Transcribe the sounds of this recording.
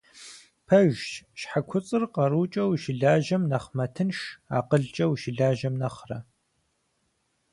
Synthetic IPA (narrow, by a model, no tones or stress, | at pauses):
pʰɐʒʃħakʷʰʊt͡sʼɨrqɐɾuːt͡ʃʼɐwʃɪɮaːʒɐmnɐχmɐtʰɨnʃa̰ːqəɮt͡ʃʼɐwʃɪɮaːʒɐmnɐχrɐ̰